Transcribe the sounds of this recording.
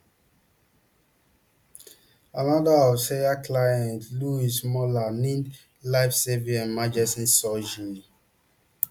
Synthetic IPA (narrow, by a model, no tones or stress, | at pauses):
anɔdaɔfseaklajɛ̃ntluismɔlanĩn | laɪfseviãnmad͡ʒɛsĩnsɔd͡ʒii